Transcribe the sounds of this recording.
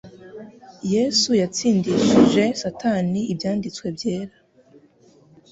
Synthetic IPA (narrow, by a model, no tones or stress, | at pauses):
je̞ːsujat͡siːndiʃiʒe̞satʰaniibjaːndit͡swe̞bje̞ːɾa